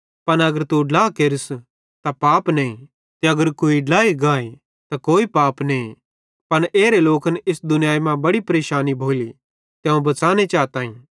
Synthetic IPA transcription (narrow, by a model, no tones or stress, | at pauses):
pɐnɐɡəɾt̪uɖlaːkeɾɪs | t̪apaːpneĩ | t̪eɐɡəɾkoːiɖlaːiɡãːe | t̪akoːipaːpnei | pɐneːɾeloːkənɪsd̪ʊnɪjaːjmãbɐɽipɐɾeːʃaːnibʱoːli | t̪jɛũbɐt͡saːnet͡ʃaːt̪aːĩː